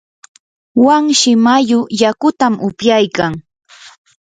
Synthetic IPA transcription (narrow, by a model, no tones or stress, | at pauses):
waŋʃɪmajʊjakʊt̪amʊpjajkaŋ